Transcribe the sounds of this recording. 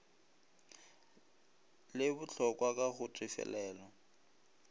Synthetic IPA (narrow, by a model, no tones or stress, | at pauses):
lɪbʊt͡ɬʰɔkʼwak̬ʼaɣʊtʼifɛ̰lɛːlɔ